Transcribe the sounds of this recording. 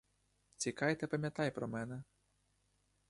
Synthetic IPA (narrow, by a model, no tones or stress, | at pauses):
t͡sʲikɑjt̪ɛpɐmʲjat̪ajpɾɔmɛnɛ